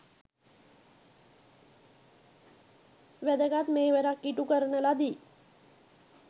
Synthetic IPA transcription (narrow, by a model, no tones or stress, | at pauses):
ʋæd̪əɡat̪meːʋeɾakːiʈukəɾənəlad̪iː